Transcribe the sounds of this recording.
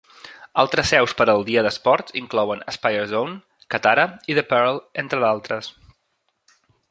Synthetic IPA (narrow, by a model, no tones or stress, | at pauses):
alˠt̪ɾəsɛwspəɾəlˠd̪iəðəspɔɾt̪iŋklɔwənəspajəɾzown | kət̪aɾəiðəpɛɾlˠent̪ɾəðalˠt̪ɾəs